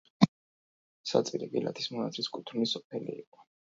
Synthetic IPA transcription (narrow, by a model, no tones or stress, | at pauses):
sat̪sʼiɾibila̰t̪ʰi̥smɔnat̪ʰliskʼut̪ʰɾnisɔpʰɛliːqʼɔ